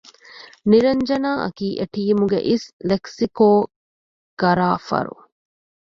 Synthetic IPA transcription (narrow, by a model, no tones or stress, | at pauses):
niɾɐɲd͡ʒɐnaːʔɐ̰kiːʔeʈiːmuɡḛʔisleksikoː | ɡ̥ɐɾaːfɐ̰ɾṵ